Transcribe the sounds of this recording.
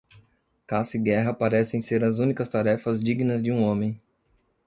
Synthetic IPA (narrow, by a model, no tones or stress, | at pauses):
kasiɡɛɦɐpaɾɛsẽj̃seɾɐzũnikɐst̪aɾɛfɐzd͡ʒiɡinɐzd͡ʒɪũõmẽj̃